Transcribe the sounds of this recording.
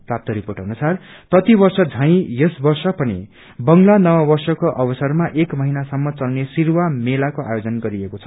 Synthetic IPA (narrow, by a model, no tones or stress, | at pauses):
prap̚t̪ʌɾiporʈɦʌnusarprʌt̪ibʌrsʌd͡zʱʌ̃j̃jesbʌrsʌpʌnḭ | bʌŋlanʌwʌbʌrsʌkoʔʌbʌsʌrmaʔekmʌɦinasʌmːʌt͡sʌlnesirwamelakoʔa̰jod͡zʌnɡʌɾiekot͡sʰʌ̥